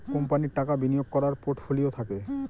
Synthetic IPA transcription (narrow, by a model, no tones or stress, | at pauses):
kompaniʈakabinijoɡ̚kɔɾaɾpoʈʰfʰuliot̪ʰake